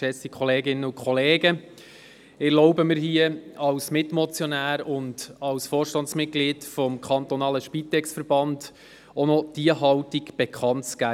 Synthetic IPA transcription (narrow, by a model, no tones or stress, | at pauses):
ʃɛt͡sst̪ikʰχɔleːɡɪnːəʊkʰχɔleːɡə | ɪɾlɔʊbəmɪɾhiəɑwsmɪtmɔt͡sjɔnæːɾʊndɑwsfoːrʃtɑntsmɪt̚ɡ̥liːtfɔmkʰɑnt̪ɔnɑːləʃpit̪ɛksfəɾbɑnd | ɔnɔd̥iəɦɑwtiɡb̥ɛkʰχɑntt͡sɡ̥æː